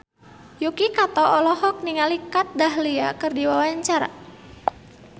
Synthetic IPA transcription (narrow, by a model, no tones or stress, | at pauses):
jukikat̪ɔɔlɔhɔk̚niŋalikat̪̚daɦliakərdiwawaɲt͡ʃaɾa̰